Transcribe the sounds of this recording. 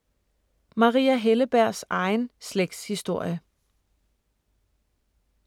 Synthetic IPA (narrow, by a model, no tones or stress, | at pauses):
mɑ̈ʁḭːæɦeləb̥æɐ̰sɑ̈ɪnsleɡ̥d̥shisd̥o̝ɐ̰jə